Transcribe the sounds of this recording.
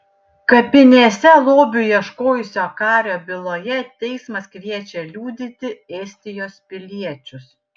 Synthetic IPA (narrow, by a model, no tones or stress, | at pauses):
kɐpʲɪnʲesʲɛlˠoːbʲʊjiɛʃkoːjʊsʲoːkɑːɾʲoːbʲɪlˠoːjɛt̪ʲɛɪsmɐskʋʲiɛt͡ʃʲɛlʲuːd̪ʲɪt̪ʲɪɛːsʲt̪ʲɪjoːspʲɪlʲiɛt͡ʃʲʊs